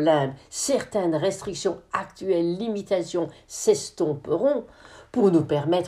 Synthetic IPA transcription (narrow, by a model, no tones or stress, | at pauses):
lɛ̃d̪sɛʁt̪ɛnʁɛst̪χiksjɔ̃akt̪yɛlːimit̪asjɔ̃sɛst̪ɔ̃pəʁɔ̃puʁnupɛʁmɛt̪